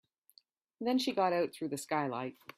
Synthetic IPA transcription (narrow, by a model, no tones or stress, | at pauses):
ðɨ̃nʃiɡɑɾaʊt̪̚θɹʉðɨskaɪla̰ɪt̚